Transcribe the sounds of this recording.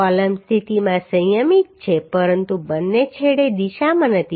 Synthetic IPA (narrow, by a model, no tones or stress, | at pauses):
ɔləmst̪ʰit̪imãsə̃jəmit̪̚t͡ʃʰepəɾənt̪ubənːet͡ʃʰeɽed̪iʃamãnət̪ʰi